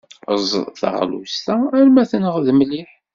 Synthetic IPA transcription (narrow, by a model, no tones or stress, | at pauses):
əzˤθə̰ʁlṵst̪ææɾmæθənəʁðmliħ